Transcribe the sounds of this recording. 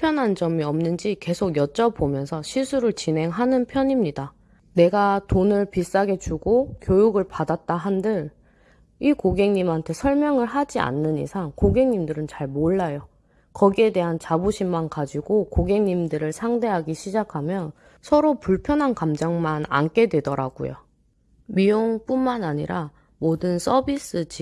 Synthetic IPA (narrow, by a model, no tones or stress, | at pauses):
pʰjʌnɦand͡ʑʌmiʌmnɯnd͡ʑike̞sʰoɡjʌt͡ɕ͈ʌpomjʌnsʰʌɕʰisʰuɾɯɭt͡ɕinɦe̞ŋɦanɯnpʰjʌɲimɲida | ne̞ɡatonɯɭpis͈aɡe̞t͡ɕuɡokjojuɡɯɭpadat̚t͈aɦandɯɭ | ikoɡe̞ŋɲimɦantʰe̞sʰʌɭmjʌŋɯɭɦad͡ʑia̰nːɯnḭsʰaŋkoɡe̞ŋɲimdɯɾɯnt͡ɕaɭmoɭːajo | kʌɡie̞de̞ɦant͡ɕabuɕʰimːankad͡ʑiɡokoɡe̞ŋɲimdɯɾɯɭsʰaŋde̞ɦaɡiɕʰid͡ʑakʰamjʌn | sʰʌɾopuɭpʰjʌnɦankamd͡ʑaŋmana̰nk͈e̞dwe̞dʌɾa̰ɡṵjo̰ | mijoŋp͈unmanaɲḭɾa | modɯns͈ʰʌbis͈ɯd͡ʑi